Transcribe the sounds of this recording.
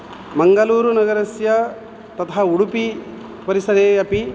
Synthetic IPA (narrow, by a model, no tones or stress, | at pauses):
mɐŋɡɐluːɾunɐɡɐɾɐsjɐ | t̪ɐt̪ɐɦɐuɽupi | pɐɾisɐd̪eːɐpi